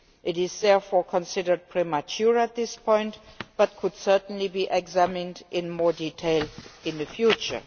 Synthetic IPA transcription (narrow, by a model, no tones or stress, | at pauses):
ʔɪɾɪzðɛɹfɔɹkʰɔ̃nsɪdə˞d̚pʰɹ̥ɛmatʰjuɹæt̪̚ðɪspʰɔ̃ɪ̃ntb̥at̚kʰʊd̥sɜ˞tn̩libiːʔɛɡzæmɪ̃ndʔɪ̃nmɔɹditʰeɪlˠɪ̃nðɨfjut͡ʃə̰˞